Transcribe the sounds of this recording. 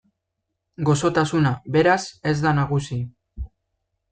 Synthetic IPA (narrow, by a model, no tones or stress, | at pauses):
ɡo̞so̞t̪asunaβe̞ɾase̞zd̪anaɣusi